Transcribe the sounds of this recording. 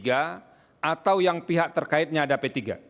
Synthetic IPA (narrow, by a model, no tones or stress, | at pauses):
ɡa | at̪awjaŋpiɦak̚t̪ərkaɪt̪̚ɲaːdapet̪iɡa̰